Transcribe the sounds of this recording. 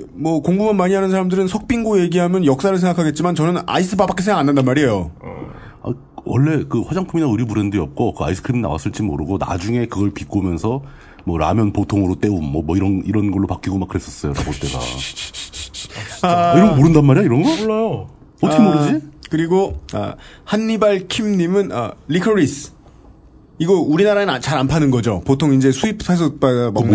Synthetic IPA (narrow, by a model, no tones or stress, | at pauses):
mwʌkoŋbumanmaɲiɦanɯnsʰaɾamdɯɾɯnsʰʌk̚p͈iŋɡoje̞ɡiɦamjʌnjʌk̚s͈aɾɯɭs̬ʰe̞ŋɡakʰaɡe̞t̚t͡ɕ͈imant͡ɕʌnɯna̰is͈ʰɯbabak͈esʰeŋɡakanːandanmaɾiejo | a̰ | wʌɭːe̞kɯɸwad͡ʑaŋpʰuminaɯɾibuɾendiʌp̚k͈okɯa̰isʰɯ̥kʰɾemina̰wa̰s͈ɯɭt͡ɕ͈imo̰ɾɯɡona̰d͡ʑuŋe̞kɯɡʌɭpik͈omjʌnsʰʌ | mwʌɾa̰mjʌnpotʰoŋɯɾot͈e̞umːʌmwʌiɾʌniɾʌnɡʌɭːopak͈iɡomak͈ːɯɾe̞s͈ʌ̥s͈ʌjoɾa̰ɡot͈e̞ɡa̰ | aiɾʌnɡmoɾɯndanmːaɾiaiɾʌnɡʌoajo | ʌtʰkʰemoɾɯd͡ʑikɯɾiɡoa̰hanːibaɭkʰimɲimɯna̰likʰʌɾisʰ | iɡʌuɾinaɾaenat͡ɕaɾanpʰanɯnɡʌd͡ʑopotʰoŋind͡ʑe̞sʰuipʰpʰas̬ʰʌp͈aɡama